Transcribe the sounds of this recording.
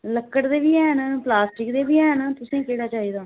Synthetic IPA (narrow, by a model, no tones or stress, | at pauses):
ləkːəɽd̪eːbiːɛːɦnplaːsʈɪkd̪eːbiːɛːɦnat̪ʊsẽːkeːɽaːt͡ʃaːɦiːd̪aː